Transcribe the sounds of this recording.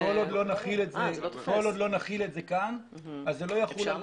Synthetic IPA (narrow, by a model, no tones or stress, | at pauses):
olod̪lo̞naχiletzeχolod̪lo̞naχiletze̞kan | azzːelo̞jaχula